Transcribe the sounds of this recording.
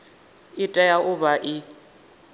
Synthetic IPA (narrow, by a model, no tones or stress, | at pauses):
ɪtʼɛjaʔʊbaʔɪ